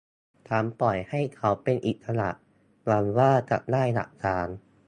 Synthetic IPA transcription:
t̪ʰaː˨˦mpɔ˨˩jha˥˩jkʰa˦˥wpe˧nʔi˨˩t̪̚sʰa˧la̰˨˩ | waː˧nwaː˥˩ka̰˨˩p̚daː˥˩jla̰˨˩ʔkaː˧n

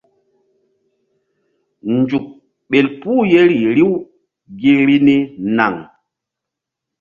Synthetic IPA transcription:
n˨d͡ʒu˨k̚ | ɓe˨lpuː˦je˦ɾi˨ɾi˦w | ɡi˦ɾi˦ni˦na̰˨ŋ

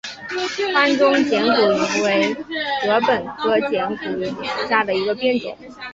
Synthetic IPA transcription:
fa˥nʈ͡ʂʊ˥ŋt͡ɕjɛ˧˥nku˨˩i˧˥˩ŋwe˧˥ɪxɤ˧˥pə˨˩nkɤ˥t͡ɕjɛ˧˥nku˨˩˨ɕja˥˩d̪ə˩i˧˥ɡə˧pjɛ˥nt͡sɛ̰˨˩˦n

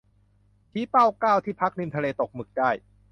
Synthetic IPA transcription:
t̪ʰiː˦˥pa˥˩wkaː˥˩wt̪ʰiː˥˩pʰa˦˥k̚ni˧mt̪ʰa˧leː˧t̪o˨˩k̚mɯ˨˩k̚daː˥˩j

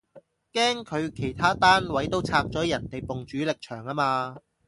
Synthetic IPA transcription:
kɛː˥ŋkʰɵ˨˧ɥkʰe˨˩jt̪ʰaː˥t̪aː˥nwɐ˨˥jt̪o˥wt͡sʰaː˧k̚t͡sɔː˨˥jɐ˨˩nt̪e˨jpʊ˨ŋt͡ʃyː˨˥lɪ˨k̚t͡ʃʰœː˨˩ŋaː˥maː˧

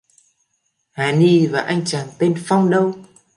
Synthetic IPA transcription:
haː˨˩˦ni˧vaː˨˩ʔa˧jŋ̟t͡ɕaː˨˩nt̪e˧nfa˧wŋ͡mɗə˧w

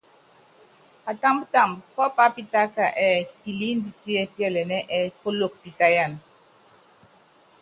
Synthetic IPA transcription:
a˨ta˦mbta˦˨mbpɔ˦pa˦pi˦ta˦ka˨ʔɛ˦pi˨li˦n˦di˨ti˦ɛ˦pjɛ˦˨lɛ˨nɛ˦ʔɛ˦ko˦lo˦˨k̚pi˨ta˦ja˦˨n

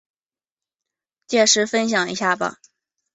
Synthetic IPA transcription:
t͡ɕjɛ˥˩ʂɻ̩˧˥fə˥nɕ̬jɑ˨˩ŋḭ˧˥ɕja˥˩bə̰˨˩

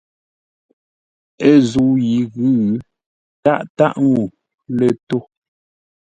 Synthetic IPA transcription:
e˦zu˨˦ji˨˦ɣʉ˦˨˦ | ta˦ʔta˦ʔŋu˨ | le˨to˦

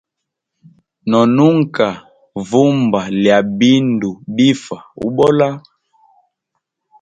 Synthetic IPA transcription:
nɔ˨nu˦ŋ˨ka˨ | vu˦mba˨lja˨bi˦ndu˨bi˦fa˨ṵ˦ɓɔ˦la˦

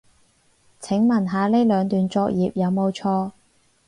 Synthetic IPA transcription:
t͡sʰɪ˨˥ŋmɐ˨˩nɦaː˨˧le˥lœː˨˧ŋt̪yː˨nt͡sɔː˧k̚jiː˨p̚jɐ˨˧wmo˨˧wt͡sʰɔː˧

